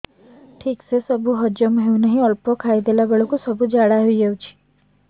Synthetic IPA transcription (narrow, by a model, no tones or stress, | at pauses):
ʈʰiksesəbʱuɦəd͡ʒəmɦeũnəɦĩɔlpokʰaid̪elabeɭokusəbʱud͡ʒaɽaɦid͡ʒəut͡ʃʰi̥